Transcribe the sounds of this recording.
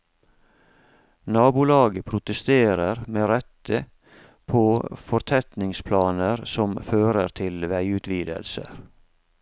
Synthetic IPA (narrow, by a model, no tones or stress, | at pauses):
nɑːbʊlɑːɡəpʰɾʊt̪əst̪eːɾəɾmeːɾɛt̪ə | pʰoːfɔɾt̪ʰɛt̪nɪŋspʰlɑːnəɾsɔmføːɾəɾt̪ʰɪlʋæɪʉːt̪ʰʋiːd̪ə̰lsə̰ɾ